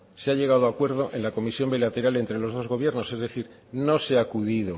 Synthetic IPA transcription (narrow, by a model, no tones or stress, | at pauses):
seaʎe̞ɣ̞að̞oakwe̞ɾð̞o̞ʔẽ̞nlako̞misjo̞mbilat̪e̞ɾale̞nt̪ɾe̞lo̞zðo̞zɣ̞o̞βje̞ɾno̞se̞zðe̞θiɾ | no̞seakuðið̞o